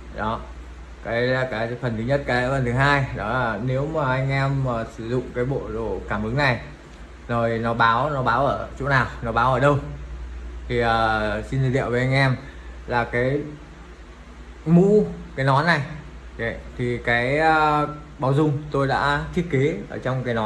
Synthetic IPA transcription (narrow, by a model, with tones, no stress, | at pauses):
ɗɔ˨˦ | kaː˨˦ja˨˩kaː˨˦jfə˨˩nt̪ʰɨ˨˦ɲə˦˥t̚kaː˨˦jfə˨˩nt̪ʰɨ˨˦ɦaː˧jɗɔ˨˦laː˨˩ne˨˦wmaː˨˩ʔa˧jŋ̟ʔɛ˧məː˨˩sɨ˧˩zʊ̰˧˨ŋ͡mkaː˨˦jɓo̰˧˨ɗo̰˧˩˨kaː˧˩mʔɨ˨˦ŋna˨˩j | zo˨˩jnɔ˨˦ɓaː˨˦wnɔ˨˦ɓaː˨˦wʔəː˧˩t͡ɕo̰˧˥naː˨˩wnɔ˨˦ɓaː˨˦wʔəː˧˩ɗə˧w | t̪ʰi˨˩ʔəː˨˩si˧nt̪ʰi˨˩ɗḭ˧˨əwve˨˦ʔa˧ŋ̟ʔɛ˧mlaː˨˩kaː˨˦j | mṵ˧˥kaː˨˦jnɔ˨˦jna˨˩j | t̪ʰi˨˩kaː˨˦jə˧˩ | ɓaː˨˦wzʊ˧˩ŋ͡mt̪o˧jɗa̰ː˧˥t̪ʰi˦˥ət̚ke˨˦ʔəː˧˩t͡ɕwŋ͡mkaː˨˦jnɔ˨˦